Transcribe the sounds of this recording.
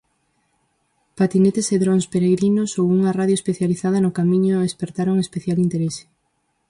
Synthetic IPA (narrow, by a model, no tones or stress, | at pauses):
pat̪inet̪eseðɾõnspeɾeɣɾinosowuŋɐraðjoespeθjaliθað̞ɐnʊkamĩɲoespeɾt̪aɾoŋespeθjalint̪eɾesɪ̥